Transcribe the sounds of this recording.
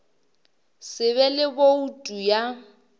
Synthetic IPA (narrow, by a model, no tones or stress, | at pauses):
sɪβɛlɪboutʼuja